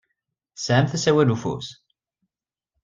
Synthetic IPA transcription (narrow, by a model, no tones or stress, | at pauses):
sʕəmθæsæwælufṵs